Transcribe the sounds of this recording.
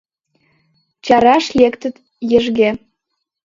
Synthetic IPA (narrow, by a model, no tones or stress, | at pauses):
t͡ɕɑɾɑʃlʲekt̪ə̆t̪ | jɘ̆ʒɣe